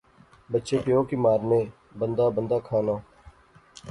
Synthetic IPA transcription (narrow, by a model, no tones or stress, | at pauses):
bətːʃeːpɪjõːkiːmaːɾneː | bənd̪aːbənd̪aːkʰaːnaː